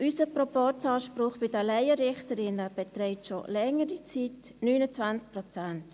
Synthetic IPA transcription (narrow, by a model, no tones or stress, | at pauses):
ʔysəpɾɔpɔɾtt͡sɑːʃpɾʊχb̥ɪdəlɛɪəɾɪχtəɾɪnəb̥ɛt̪ɾɛɪtʃo̰lɛŋəɾit͡sitnyːnət͡svansk̚pɾɔt͡sant